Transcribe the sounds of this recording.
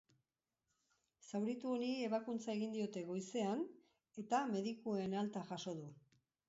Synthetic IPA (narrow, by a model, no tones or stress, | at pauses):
sawɾit̪uonie̞βakunt͡sae̞ɣind̪io̞t̪e̞ɣo̞jse̞an | e̞t̪ame̞ðikue̞nalt̪aʝaso̞ðu